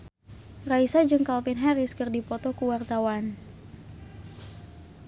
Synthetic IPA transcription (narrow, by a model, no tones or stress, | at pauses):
raisad͡ʒɨŋkalpɪnɦaɾɪskɨrdipɔt̪ɔkuwart̪awan